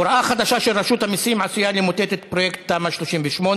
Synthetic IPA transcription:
ɾʔaχad̪aʃaʃelʁaʃut̪hamisimʕasujalimot̪et̪et̪pɾojekt̪̚tamaʃloʃimveʃmon

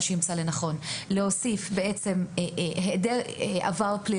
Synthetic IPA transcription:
ʃenimt͡salenaχo̞nleo̞sifbeet͡se̞mɦedeʔa̰vaʁpli

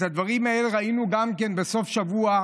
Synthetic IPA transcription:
had̪vaʁimae̞leʁainuɡamke̞nbe̞so̞fʃavua

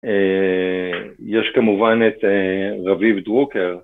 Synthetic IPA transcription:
e | jeʃkamuvanet̪eʁavivdʁukeʁ

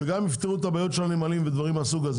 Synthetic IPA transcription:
eɡamift̪iʁut̪abajo̞t̪ʃelanemalimved̪vaʁimasuɡaz

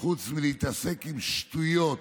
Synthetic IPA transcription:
χut͡smiliit̪ase̞kimʃt̪ujjot̪

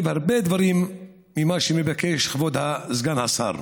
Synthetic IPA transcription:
vhaʁbed̪vaɾimː | imaʃemevakeʃχvod̪hazɡanhasa̰ɾ

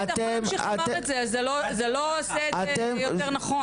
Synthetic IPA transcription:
atemat̪etzeazelozeloseat̪emjoenaχo

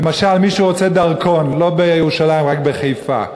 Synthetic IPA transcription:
lemaʃalmiʃuʁo̞t͡se̞d̪aʁkʰo̞nlo̞bejeʁuʃalaimʁakbeχejfa̰

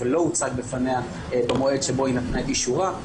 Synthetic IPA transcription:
elo̞ut͡sak̚befane̞a | bamoe̞dʃebo̞inat̪naet̪jiʃuʁa

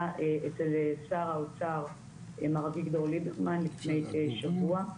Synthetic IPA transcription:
ʔeʔet͡selesaʁaot͡saʁ | emaʁaviɡd̪oʁlideʁmanlifnejteʃavua

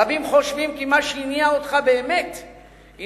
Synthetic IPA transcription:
avimχo̞ʃvimkimaʃeiniaot̪χabe̞ːmet̪ | i

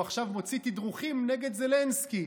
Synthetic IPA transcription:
aχʃavmo̞t͡sit̪id̪ʁuχimneɡe̞d̪ze̞lenski

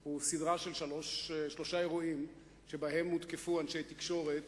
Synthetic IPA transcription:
husid̪ʁaʃe̞lʃalo̞ʃʃlo̞ʃae̞ʁuim | ʃe̞baɦe̞mːut̪kefuanʃejt̪ikʃo̞ʁet̪

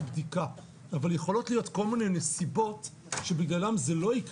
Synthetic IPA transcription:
bdikaː | valje̞χo̞lo̞tlijo̞tko̞lmine̞jnesibo̞t | ʃe̞biɡlalamzelo̞ik

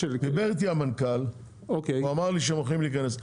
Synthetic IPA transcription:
ed̪ibeʁt̪iamankal | okeamaʁliʃ̬emaχimliːkanes

